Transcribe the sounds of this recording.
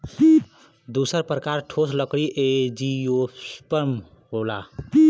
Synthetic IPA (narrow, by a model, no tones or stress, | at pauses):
d̪usəɾpɾəkaɾʈʰosləkɽiʔed͡ʒijospəɾm | ɦola